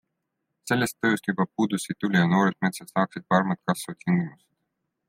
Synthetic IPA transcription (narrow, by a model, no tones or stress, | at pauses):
se̞lːe̞st̪ːɤjust̪jub̥ɑpuːd̪usit̪ulʲijɑno̞ːɾed̪̥̚me̞t̪set̪sɑːksid̪̥̚pɑɾmɑt̪̚kɑsv̥ɑt̪̚kʰiŋɡ̥imuse̥d̪̥